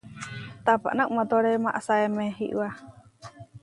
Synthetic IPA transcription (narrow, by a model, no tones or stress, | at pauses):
t̪apa̰ʔnaʔumat̪oɾemaʔasaemeɦḭʔuwa